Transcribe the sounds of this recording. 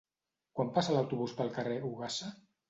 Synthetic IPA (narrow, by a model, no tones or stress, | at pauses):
kwampasalawt̪uβuspəlˠkəreuɣasa